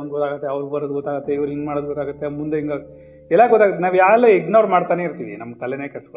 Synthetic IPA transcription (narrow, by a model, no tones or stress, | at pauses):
ɐnd̪ɡɔt̪aːɡɐt̪ːeɐʋɾuɡbɐɾod̪uɡɔt̪ːaːɡɐt̪ːeiʋɐɾuiŋɡmaːɽod̪uɡɔt̪ːaːɡɐt̪ːemund̪eiŋɡaː | ɛlːaɡɔt̪ːaːɡɐt̪ːenaːʋjaːlːeeɡnoːɾmaːɽt̪aːneiɾt̪iːʋḭnɐmːkɐlːeneːkɐɭsko